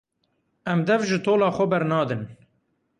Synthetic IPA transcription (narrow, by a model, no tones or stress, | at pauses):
ɛmd̪ɛvʒɨt̪ʰoːlɑːxʷɛbɛɾnɑːd̪ɨn